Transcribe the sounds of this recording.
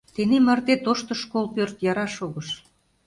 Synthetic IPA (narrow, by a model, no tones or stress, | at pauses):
t̪enemɑrt̪et̪oʃt̪ə̆ʃkolpørt̪jɑɾɑʃoɣəʃ